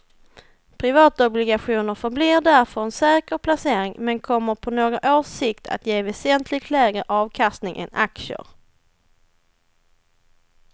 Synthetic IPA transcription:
pʰɾɪvɑːt̪ɔblɪɡaɧuːnəɾfœɾbliːɾɖæɾfœɾɛnsɛːkəɾpʰlaseːɾɪŋmɛnkʰɔmːəɾpʰɔnoːɡɾaʔoːʂɪkt̪ʰa̰t̪jeːvɛsɛnt̪ʰlɪɡ̚t̪ʰlɛːɡəʔɑːvkʰast̪nɪŋʔɛ̰nakʂə̰ɾ

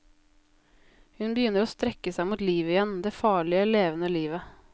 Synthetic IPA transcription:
hʉnbəjʏnəɾoːst̪ɾɛkəsæɪmuːt̪liːʋəɪjɛnd̪eːfɑːɭɪəleːʋənəliːʋə

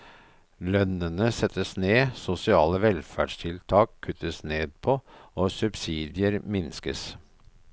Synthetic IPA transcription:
lœnənəsɛt̪ːəsneːsʊsɪɑːləʋɛlfæ̰ɖʂt̪ʰɪlt̪ʰɑːkʰːʉt̪ːəsneːd̪̚pʰɔoːsʉbsiːd̪ɪəɾmɪnskə̰s

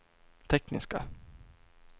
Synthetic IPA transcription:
t̪ʰɛknɪ̰ska̰

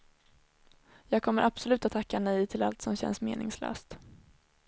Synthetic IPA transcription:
jɑːɡ̚kʰɔmːəɾʔab̥sɔlʉ̟ːt̪at̪ʰːakːanɛjt̪ʰɪla̰lt̪sɔmɕɛ̰nsmeːnɪŋslø̰ːst̪

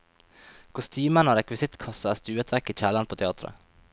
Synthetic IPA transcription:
kʰʊst̪ʰyːmənɑːɾɛkʋɪsɪt̪kʰɑsɑɑst̪ʉːət̪ʰʋæɾkiːc͡çæːlɑnpʰoːt̪ʰɛɑːt̪ɾə̰

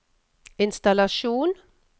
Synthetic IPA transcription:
ɪnst̪alaʃuːn

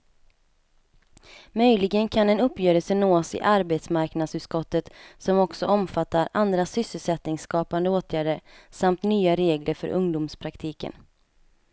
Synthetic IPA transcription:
mœjlɪɡənkʰanɛnɵpːjøːɾəsənoːsɪ̰ʔaɾbeːt̪smaɾknad̪sʉ̟ːt̪skɔt̪ːət̪sɔmɔksɔɔmfat̪ːaɾand̪ɾasʏsːəlsɛt̪nɪŋskɑːpand̪əoːt̪ʰjæːɖəɾsamt̪nyːaɾeːɡlʔəɾfœ̰ɾʔɵŋd̪ʊmspʰɾakt̪ʰiːkə̰n

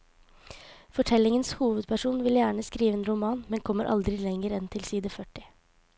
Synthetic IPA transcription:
fɔʈʰɛlɪŋənshuːʋəd̪̚pʰæʂuːnʋɪljæːɳəskɾiːʋəeːnɾʊmɑːnmɛnkʰɔmːəɾʔɑ̰ld̪ɾɪlɛŋəɾɛnt̪ʰɪlsiːd̪əfœʈːɪ

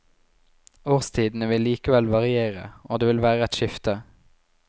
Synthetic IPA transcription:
oːʁst̪ʰiːd̪n̩əʋɪliːkəʋɛlʋɑʁɪeːʁə̰oːd̪eːʋɪlʋæːʁəɛt̪ʃʏft̪ə

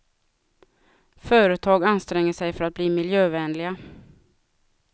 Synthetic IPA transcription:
fœːɾət̪ʰɑːɡanst̪ɾɛŋːəʂɛjfœɾat̪̚bliːmɪljøːvɛːnlɪɡa

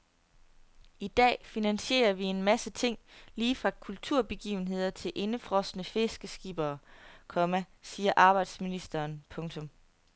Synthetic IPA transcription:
id̥ɛ̰ːfinænɕe̝̰ːɐʋie̝nmæsət͡sʰe̝ŋ̰liːfʁɑ̈kʰult͡sʰuɐ̰b̥e̝ɡ̥ḭːʊn̩ɦe̝ð̞̰ˠɐt͡sʰe̝lʔe̝nəfʁɒ̽sənəfe̝sɡ̥əsɡ̥ib̥ɐːkʰɒ̽mæ | siːɐʔɑ̈ːb̥ɑ̈ɪd̥sminisd̥ɐːnpʰɔ̽ŋt͡sʰɔ̽m

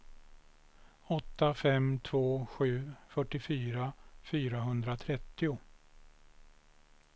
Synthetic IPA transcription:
ɔt̪ːafɛmt̪ʰvoːɧʉ̟ːfœʈːɪfyːɾafyːɾaɦɵnd̪ɾat̪ʰɾɛt̪ːɪʊ

